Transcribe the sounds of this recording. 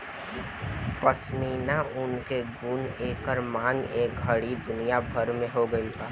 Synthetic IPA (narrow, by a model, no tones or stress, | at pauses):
pəsmiːnaʔʊnkeɡuːneːkəɾmãːŋeːk̚ɡʱəɽid̪ʊnijabʱəɾmẽɦoɡəipaː